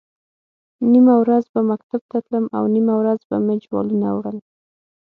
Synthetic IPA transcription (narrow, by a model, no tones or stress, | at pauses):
nimawɾazbamak̚t̪ab̚t̪at̪ləma̰wnimawɾazba̰med͡ʒwɑ̰lunawɽəl